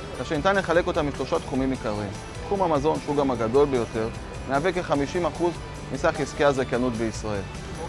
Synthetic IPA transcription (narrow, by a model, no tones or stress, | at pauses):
kaʃenit̪anle̞χale̞ko̞tamːiʃlo̞ʃat̪χumimikaʁim | tχumamazo̞nʃeuɡamaɡado̞lbe̞jo̞te̞ʁ | meavekeχamiʃimaχuz | nisaχiskiazakjanutbeisʁae̞l